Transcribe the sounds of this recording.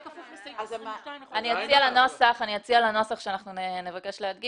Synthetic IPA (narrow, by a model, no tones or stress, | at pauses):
aniot͡sialanosaχaniot͡sialano̞saχʃeanaχnunnevake̞ʃlead̪̚ɡi